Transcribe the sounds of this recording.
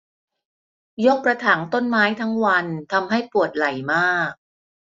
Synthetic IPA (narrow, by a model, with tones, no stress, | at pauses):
jo˦˥k̚pɾa˧t̪ʰaː˩˦nt̪o˥˩nmaː˦˥jt̪ʰa˦˥ŋwa˧nt̪ʰa˧mɦa˥˩jpu˨˩ət̪̚la˨˩jmaː˥˩k̚